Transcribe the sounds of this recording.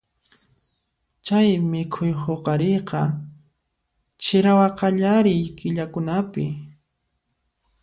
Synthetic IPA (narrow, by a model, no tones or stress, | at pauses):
t͡ʃajmɪkʰʊjhoqɑɾejqɑ | t͡ʃɪɾawɑqɑʎaɾɪjkɪʎakʊnapɪ